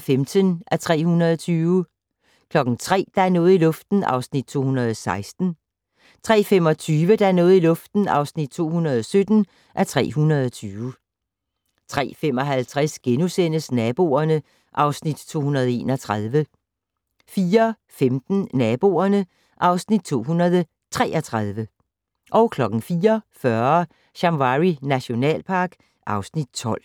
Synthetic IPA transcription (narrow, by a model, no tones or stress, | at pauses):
femd̥ənʔæt͡sʰʁɛ̰ːhunɐð̞ˠɒt͡sʰyːʊ | kʰlɒ̽ɡ̥n̩t͡sʰʁɛ̰ːd̥ɑ̈æɐnɔ̽ːð̩ˠilɔ̽fd̥n̩ɑ̈ʊsnid̥̚t͡sʰo̝̰ːhunɐðˠɒsɑ̈ɪsd̥n̩ | t͡sʰʁɛ̰ːfemɒ̽t͡sʰyːʋəd̥ɑ̈æɐnɔ̽ːð̩ˠilɔ̽fd̥n̩ɑ̈ʊsnid̥̚t͡sʰo̝̰ːhunɐð̞ˠɒ̽sød̥n̩ | ʔæt͡sʰʁɛ̰ːɦunɐð̞ˠɒ̽t͡sʰyːʋ | t͡sʰʁɛ̰ːfem̰ɒ̽ɦælt͡sʰʁɛsɡ̥enusen̰əsnɛb̥o̝̰ɐnə | ʔɑ̈ʊsnid̥t͡sʰo̝̰ːhunɐð̞̩ˠe̝̰ːnɒt͡sʰʁað̞ˠʋə | fiːɐ | femd̥n̩nɛb̥o̝̰ɐnə | ʔɑ̈ʊsnid̥̚t͡sʰo̝̰ːɦunɐð̞ˠə | t͡sʰʁɛ̰ːʔɐt͡sʰʁað̞ˠʋə | ʔɒ̽ʊkʰlɒ̽ɡ̥n̩fiːɐfɶɐ | ɕɑ̈ŋʋɑʁinæɕo̝nɛ̰ːlpʰɑ̈ɡ̥ | ʔɑ̈ʊsnid̥̚t͡sʰɒ̽l̰